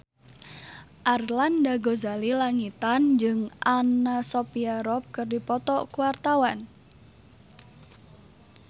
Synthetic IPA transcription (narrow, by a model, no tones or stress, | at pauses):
ʔarlandaɡozalilaŋit̪and͡ʒɨŋʔanasopiaɾɔp̚kɨrdipɔt̪ɔkuwart̪awan